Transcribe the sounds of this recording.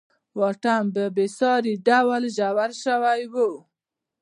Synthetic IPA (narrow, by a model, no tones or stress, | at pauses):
wɑʈambəbesɑɾiɖawalʒawaɾʃəwajwu